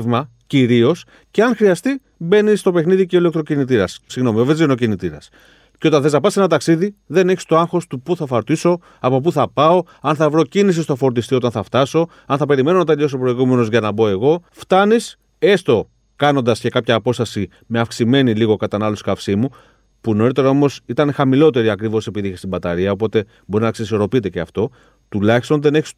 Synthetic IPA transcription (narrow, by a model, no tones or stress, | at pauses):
vmɐ | ciɾio̞s | ceɐnxɾiɐst̪i | be̞nist̪o̞pe̞xniðiceole̞k̚t̪ɾo̞cinit̪̬iɾɐssiɣno̞miovezino̞cinit̪iɾɐ̰s | ceo̞t̪ɐnθezɐpɐsenɐt̪ɐksiðiðe̞neçi̥st̪o̞ɐŋxo̞st̪upuθɐfoɾt̪iso̞ | ɐpo̞p̬uθɐpɐo̞ | ɐnθɐvɾo̞cinisist̪ofo̞ɾt̪ist̪io̞t̪ɐnθɐft̪ɐso̞ | ɐnθɐpe̞ɾime̞nonɐt̪eʎo̞sopɾoiɣume̞no̞zʝɐnɐbo̞e̞ɣo̞ft̪ɐnis | e̞st̪o̞ | kɐno̞nd̪ɐsce̞kɐpçɐːpo̞st̪ɐsi | me̞ɐfksime̞niliɣo̞kɐt̪ɐnɐloskɐfsimu | punoɾit̪e̞ɾɐo̞mo̞sit̪ɐnexɐmilo̞t̪e̞ɾiɐkɾivo̞se̞piðiçest̪ibɐt̪ɐɾiɐop̬o̞t̪e̞ | bo̞ɾinɐksiso̞ɾo̞pit̪e̞ceɐft̪o̞ | t̪ulɐçist̪o̞nðe̞ne̞çi̥s